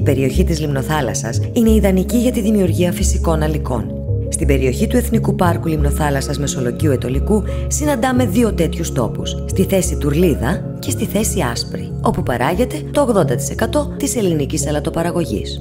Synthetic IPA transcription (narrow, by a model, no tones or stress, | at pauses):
ipe̞ɾio̞çit̪izlimno̞θɐlɐ̰sɐsine̞iðɐniciʝɐt̪iðimiuɾʝiɐfisiko̞nɐliko̞̰n | st̪ibe̞ɾio̞çit̪ue̞θnikupɐɾkulimno̞θɐlɐsɐzme̞so̞lo̞ʝiue̞t̪o̞liku | sinɐnd̪ɐme̞ðio̞t̪e̞t̪çust̪o̞̰pusst̪iθe̞sit̪uɾliðɐ | ce̞st̪iθe̞siɐspɾḭ | o̞pupɐɾɐʝe̞t̪e̞t̪o̞ːɣðo̞nd̪ɐt̪i̥se̞kɐt̪o̞t̪ise̞linicisɐlɐt̪o̞pɐɾɐɣo̞ʝḭs